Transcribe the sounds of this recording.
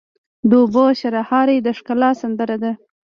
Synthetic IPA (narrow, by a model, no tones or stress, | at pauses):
d̪oboɕaɾahɑɾed̪əʂkalɑsand̪əɾad̪a